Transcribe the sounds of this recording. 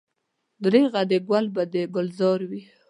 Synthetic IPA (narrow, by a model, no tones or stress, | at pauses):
d̪ɾeɣad̪eɡwalbad̪eɡʊlzɑɾwi